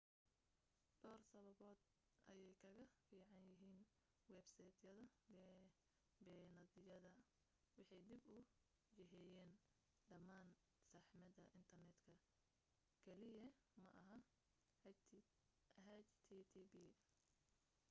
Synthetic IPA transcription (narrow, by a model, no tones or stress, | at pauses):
ɖ̥ɔːrsɐβɐβɔːd̪ | ʔɐ̰jɛjkʰɐɣɐfiːʕɑnjɪɦiːn | wɛbsɐjt̪ʰjɐðɐbɛ | bɛːnɐðɪjɐðɐ | wɑħɑjd̪ibʊ | jɐɦɛjɛːn | ɖɐmaːn | sɑħmɐd̪ɐʔɪnt̪ʰɐrnɛd̪kʰɐ | kʰɛlɪjɐ | mɐʔɐɦɐ | ɦɛt͡ʃt̪ʰiːt̪ʰːbiː